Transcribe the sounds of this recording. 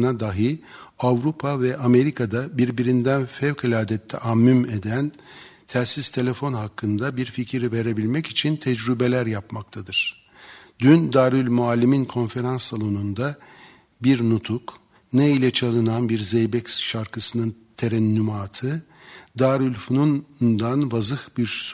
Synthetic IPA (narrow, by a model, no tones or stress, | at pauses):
nad̪aɦɯavɾupʰavɛʔame̞ɾikʰad̪abiɾbiɾind̪ænfɛvkʰilʲaːd̪ɛt̪ʰːɛ̰ʔamːymed̪æn | t̪ʰæɾsist̪ʰe̞lʲe̞fo̞nɦakʰːɯnd̪abiɾficʰiɾive̞ɾe̞bilʲmɛcit͡ʃʰint̪ʰɛd͡ʒɾybe̞lʲæɾjapmak̚t̪ʰad̪ɯɾ̥ | d̪ynd̪aːɾylʲmualʲːiminkʰo̞nfe̞ɾansːalˠo̞nund̪a | biɾnut̪ʰuk | neilʲɛt͡ʃʰalˠɯnanbiɾzejbɛcʃaɾkʰɯsɯnɯn | t̪ʰeɾɛnːymaːt̪ʰɯ | d̪aːɾylʲfununnd̪anvazɯhbiɾ